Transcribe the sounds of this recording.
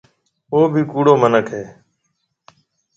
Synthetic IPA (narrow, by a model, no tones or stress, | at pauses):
oːbʱiːkuːɽoːmənəkʰɦeː